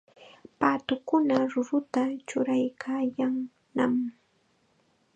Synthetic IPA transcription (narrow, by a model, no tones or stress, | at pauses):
paːt̪ʊkʊnaɾʊɾʊt̪at͡ʃʊɾajkʰaːjaŋ | nam